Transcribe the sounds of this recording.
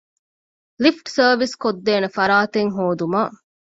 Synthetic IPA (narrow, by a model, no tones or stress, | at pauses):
lifʈsəːʋiskod̪ːeːnefɐɾaːt̪eŋɦoːd̪umaː